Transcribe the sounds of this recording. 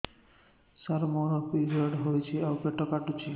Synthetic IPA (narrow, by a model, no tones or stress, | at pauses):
saɾmɔɾɔpizaɖɦojt͡ʃʰiawpeʈɔkaʈut͡ʃʰi